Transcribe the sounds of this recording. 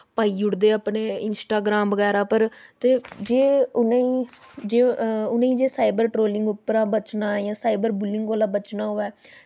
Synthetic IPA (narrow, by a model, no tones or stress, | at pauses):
paːiːʊɽd̪eːəpneːɪnsʈaːɡɾaːmbəɡɛːɾaːpəɾt̪eːd͡ʒeːʊneiːd͡ʒeːʊnẽĩːd͡ʒeːsaːibəɾʈɾoːlɪ̃ŋɡʊpːəɾãːbət͡ʃnãːɛjãːsaːibəɾbʊlːɪ̃ŋɡoːlãːbət͡ʃnaːɦoːɛː